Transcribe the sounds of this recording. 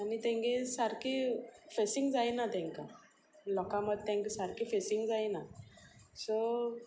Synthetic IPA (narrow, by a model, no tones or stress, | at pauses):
anit̪ɛ̃ŋɡẽsaɾkifesiŋɡd͡zajnat̪ɛ̃ŋka | lɔkãməd̪̚ʱt̪ɛ̃ŋksaɾkifesiŋɡd͡zajna | sɔ